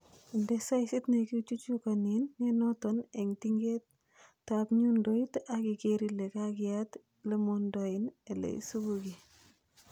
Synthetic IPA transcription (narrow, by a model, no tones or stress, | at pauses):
ndesaɪsitnekit͡ʃut͡ʃukaninːenɔtɔneŋtiŋɡet | tːapɲundɔitakikeɾilekakjat | lemɔndɔinɛlḛḭsuɡuki